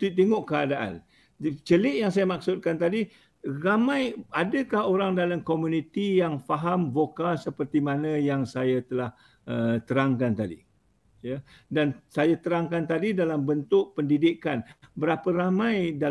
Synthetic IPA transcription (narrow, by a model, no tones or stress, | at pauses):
t̪it̪iŋoʔkəadaʔa̰n | t͡ʃəlɪʔjaŋsajamak̚sʊt̪̚kant̪adi | ramãjadəkahoɾaŋdalamkomunit̪ijaŋfaɦamvokasəpərt̪imanə̃jaŋsajat̪əlah | ət̪əɾaŋkant̪adḭ | ja | dansajat̪əɾaŋkant̪adidalambənt̪ʊʔ̚pəndidikanbəɾapəɾamãjda